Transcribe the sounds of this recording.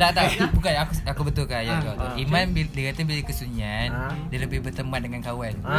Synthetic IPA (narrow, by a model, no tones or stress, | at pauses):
t̪aʔt̪at̪ubukaakuakubət̪ʊlkajakawt̪uʔimanbidikat̪abilaikəsuɲan | dialəbɪhbərt̪əmat̪dəŋankawan